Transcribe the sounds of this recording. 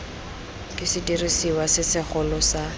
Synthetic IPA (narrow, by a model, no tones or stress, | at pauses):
kʼɪsɪdirisiwasɪsɪχʊlɔsa